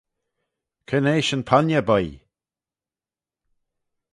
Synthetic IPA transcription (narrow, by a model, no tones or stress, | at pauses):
kʰəneːʃənpʰanʲjəbəj